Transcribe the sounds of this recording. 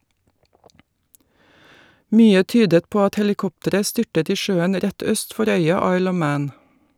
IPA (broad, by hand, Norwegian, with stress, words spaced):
ˈmyːə ˈtyːdət ˈpoː ˈɑt hɛlɪˈkɔptəɾə ˈstʏʈət ˈiː ˈʃøːən ˈɾɛt ˈœst ˈfɔɾ ˈœʏɑ ˈɑɪl ˈɔʋ ˈmæːn